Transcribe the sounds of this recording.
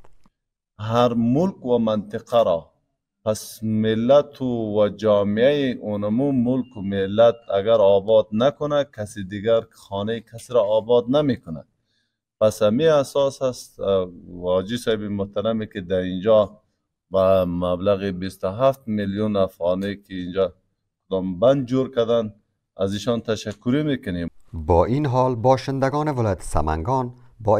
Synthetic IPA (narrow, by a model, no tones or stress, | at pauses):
haɾmʊlkwamant̪ɪqaɾɔ | pasmɪlːat̪ʰuwad͡ʒɔːmiajiʔunamumʊlkumɪlːat̪̚aɡaɾɑːbɑd̪̚nakʊnakʰasid̪iɡaɾxɔːnaikʰasiɾɔːbɑd̪̚namekʊna̰d̪ | pashamiasɑshast̪wɔd͡ʒisaibimʊht̪aɾamikid̪aind͡ʒɔ | bamablaɣibist̪ʊɦaft̪miljunafɣɑnikiːnd͡ʒɔ | kʊd̪ɔmband̪̚d͡ʒoɾkad̪an | aziʃɔnt̪aʃakːʊɾimekʊnebɔːinɦɔlbɔːʃɪnd̪aɡɔːnevɪlɔjat̪ʰe̥sa̰ma̰ŋɡɔːn | bɔ